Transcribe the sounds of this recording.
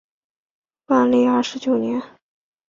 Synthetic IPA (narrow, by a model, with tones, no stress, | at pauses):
pa˥˧nli˥˧a˞˥˧ʂɻ̩˧˥t͡ɕjo˨˩ʊnjɛ˧˥n